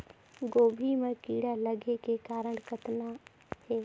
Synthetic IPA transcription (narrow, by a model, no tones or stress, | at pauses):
ɡoːbʱiːmə̃ːkiːɽaːləɡeːkeːkaːɾəɳkət̪naː | heːʋ